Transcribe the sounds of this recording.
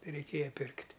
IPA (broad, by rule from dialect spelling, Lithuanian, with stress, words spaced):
rʲɛɪˈkʲeːjɛ ˈpʲɪrktʲ